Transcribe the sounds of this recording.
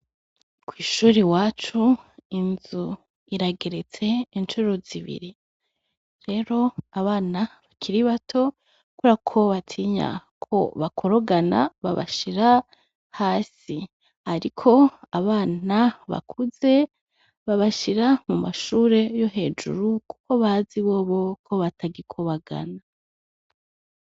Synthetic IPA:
kwiːʃuːɾiwaːt͡ʃuinzu | iɾaɡe̞ɾe̞t͡se̞int͡ʃuɾo̞ziβḭɾi | ɾe̞ɾo̞aβaːnaβakʰiɾiβatʰo̞ | kuɾakʰo̞βatʰiːɲa̰kʰo̞̰βakʰo̞ɾoɡana̰βa̰βa̰ʃiɾa | haːsi | haɾikʰo̞aβaːnaβa̰kʰuze̞ | βaβaʃiɾamumaʃuːɾe̞jo̞ɦe̞ːd͡ʒṵɾuku̥ko̞βaziβo̞ːβo̞kʰo̞βatʰaɡikʰoβaɡa̰na

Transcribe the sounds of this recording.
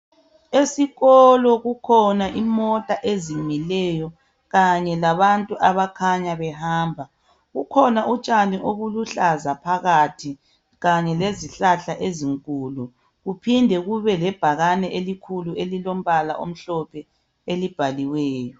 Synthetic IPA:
esiɣɔlɔɣukʰɔnaʔimɔtʼaʔezimilɛjɔ | ɣaɲɛlaβantʼuʔaβakʰaɲaβɛhaːmbʱa | ɣukʰɔnaʔut͡ʃʼaniʔoβuluɬazapʰaɣatʰi | ɣaɲɛleziɬaɬaʔeziŋkʼuːlu | ɣupʰindʱɛɣuβɛlɛb̥ʱaɣanɛʔelikʰuluelilom̩βala̰ʔo̰m̩ɬɔpʰɛ | elib̥ʱaliwɛːjɔ

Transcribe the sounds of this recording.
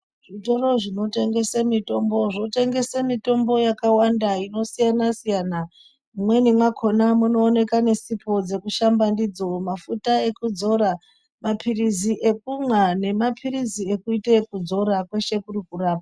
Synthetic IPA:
ʐito̞ɾo̞ʐino̞te̞ŋɡe̞semito̞mbo̞ʐote̞ŋɡe̞semito̞mbo̞jakawandaino̞sijanasijana | umwe̞nimwakʰo̞namuno̞ːne̞kane̞sipʰo̞d͡ze̞kuʃambandid͡zo̞mafutae̞kud͡zo̞ɾa | mapʰiriziʔe̞k̚umwane̞mapʰiɾizie̞kuitakud͡zo̞ɾakwe̞ʃe̞kurikuraːp̚a

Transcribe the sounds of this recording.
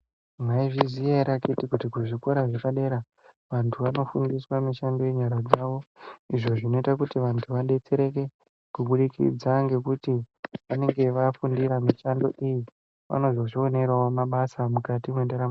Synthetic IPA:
maiviziaɾakitikutikuʐikoɾaʐepaɗe̞ɾa | ʋantʰuʋano̞fundiswamiʃando̞je̞ɲaɾad͡zaʋo̞iʐo̞ʐino̞itakutiʋantʰuʋaɗe̞t͡se̞ɾe̞k̬e̞ | kuɓuɗikʰḭd͡zaŋɡe̞kutiʋane̞ŋɡe̞ʋafundiɾamiʃando̞̰ʔiji | ʋa̰no̞zo̞ʐio̞ne̞ɾwaomaɓasamukatimwe̞ndeɾa

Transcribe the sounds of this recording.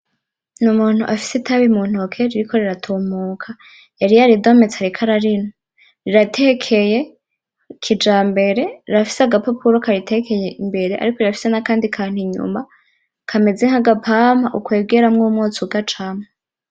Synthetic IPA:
numuːn̥huʔafi̥setʰaβimuːn̥okʰeɾiɾikʰo̞ɾiɾatʰoːmuːkʰa | jaɾijaɾido̞me̞t͡se̥aɾikʰaɾaɾino | ɾiɾatʰekʰeje̞ | kʰid͡ʒaːmbe̞ɾe̞ɾiɾafi̥seaɡapapʰuɾokaɾitʰekʰe̞jeʔimbe̞ɾeʔa̰ɾiko̞ɾiɾafi̥se̞nakaːndikʰaːn̥iɲṵma | kʰame̞d͡zeŋhaɡapʰamaʔukwe̞ːbɡe̞ɾamŋumŋuːt͡suɡat͡ʃama

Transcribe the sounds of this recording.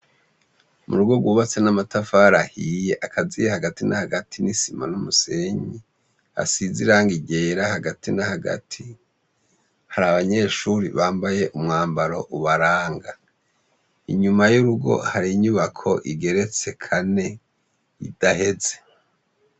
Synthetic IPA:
mṵɾuɡwo̞ɡwuːβat͡se̞namatafaɾahije̞ʔakʰazijehaɡatinahaɡatʰinisima̰numuse̞ɲi | a̰siziɾaːŋɡiɟe̞ːɾahaɡatinahaɡa̰tʰi | haɾaβaɲe̞ːʃuɾḭβaːmbaje̞ʔumŋaːmbaɾo̞ʔuβaɾaːŋɡa | iɲumajuɾuɡo̞̰haɾiɲuβakʰo̞̰ʔiɡe̞ɾe̞t͡se̞kʰane̞ | ḭd̥ahe̞ze̞̥

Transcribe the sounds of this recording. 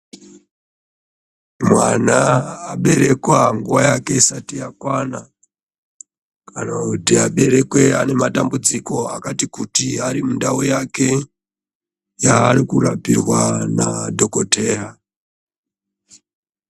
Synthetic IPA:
mwanaːɓe̞ɾe̞kwaŋɡuʋwajake̞isatijakwana | kanakutiaɓe̞ɾe̞kwe̞ane̞matambud͡ziko̞akatikutiaɾimundaujake̞ | jaːrikurapirwanadʱo̞kote̞ːra

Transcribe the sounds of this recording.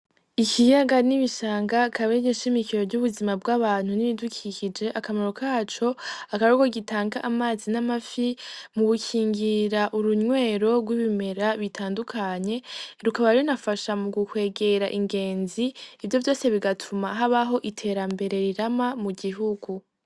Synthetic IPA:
ikijaɡaniβiʃaːŋɡakʰaβeɲeʃimikiɾo̞vɟuβuzimabɡaβaːn̥huniβidukʰicid͡ʒe̞ʔakamaɾo̞kʰaːt͡ʃo̞akaβuɡoɡitʰaːŋɡaʔamaːzinamafimuβukʰiːŋɡiɾaʔuɾuɲwe̞ːɾo̞ɡwiβime̞ɾaβitʰaːndukʰaɲe̞ɾukaβaɾiɾonafaʃamuɡukwe̞ːɡe̞ɾaʔiŋɡe̞ːnziːvjo̞vjo̞ːse̞βiɡatʰumaɦaβaɦo̞ʔitʰe̞ɾambe̞ɾe̞ɾiɾamamuɟiɦuɡu

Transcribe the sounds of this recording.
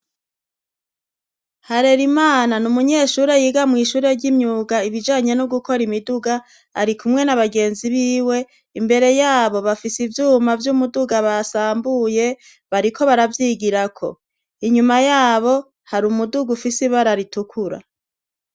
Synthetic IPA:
haɾe̞ɾimaːnanumuɲe̞ːʃuːɾe̞jiːɡamŋiːʃuːɾe̞ɾɟimɲuːɡaiβid͡ʒaːɲe̞nuɡuko̞ɾimiduɡa | a̰ɾikʰumŋe̞naβaɡe̞ːnziβiːwe̞ | imbe̞ɾe̞jaːβo̞βafisivjuːmavjumuduɡaβasaːmbuje̞ | βaɾikʰo̞βaɾavjiːɡiɾakʰo̞̰ | iɲumajaːβo̞ | haɾumuduɡufisiβaɾaɾitukʰuɾa̰

